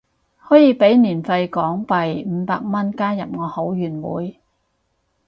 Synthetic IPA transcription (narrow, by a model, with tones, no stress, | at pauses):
hɔː˨˥jiː˨˧pe˨˥jniː˨˩nfɐ˧jkɔː˨˥ŋpɐ˨jm̩ː˨˧˦paː˧k̚mɐ˥nkaː˥jɐ˨p̚ŋɔː˨˧ho˨˥wjyː˨˩nwṵː˨˥j